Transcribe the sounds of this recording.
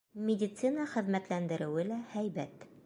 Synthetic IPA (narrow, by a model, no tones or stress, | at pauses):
mʲɪdʲit̪sɨnəχɘ̆ðmæt̪lænd̪ɘ̆ɾɘ̆wɘlæhæjbæt̪